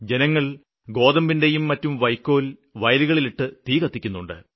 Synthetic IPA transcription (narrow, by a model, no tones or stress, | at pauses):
d͡ʑe̞nɐŋːɐɭ | ɡo̞ːd̪ɐmbinde̞jumːɐtːumʋɐjkːo̞ːlʋɐjɐluɣɐɭiliʈːɨt̪iːkɐt̪ːikʲːunːuɳɖɨ̰